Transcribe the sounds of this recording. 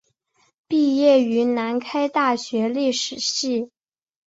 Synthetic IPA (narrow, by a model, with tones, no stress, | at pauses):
pi˥˧jɛ˥˩y˧˥na˧˥nkʰa˥ɪt̪a˥˩ɕɥɛ˧˥li˥˩ʂɻ̩˨˩ɕi˥˩